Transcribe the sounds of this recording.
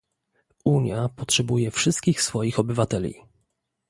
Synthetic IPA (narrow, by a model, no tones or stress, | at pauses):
uɲjapɔtʂɛbujɛfʂɘst̪̚kʲixsfɔjixɔbɘvat̪ɛlʲḭ